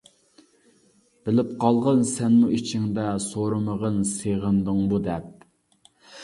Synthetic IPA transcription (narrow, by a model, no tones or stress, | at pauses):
b̥ɪlɪp̚qʰɑlˠʁənsɛnmuit͡ʃʰɪŋd̪ɛsoɾɨməʁənseʁənd̪ɨŋbud̪ɛp̚